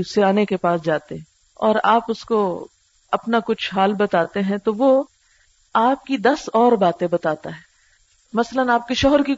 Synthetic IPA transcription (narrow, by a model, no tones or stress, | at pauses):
seaːnekepaːsd͡ʒaːt̪eɦɛ̃ | ɔːɾaːpʊsko | ɐ̰pnakʊt͡ʃʰɦaːlbɐt̪aːt̪eɦɛ̃t̪oʋo | aːp̚kid̪ɐsɔːɾbaːt̪ẽbɐt̪aːt̪aɦɛː | mɐslənaːp̚keʃɔɦəɾki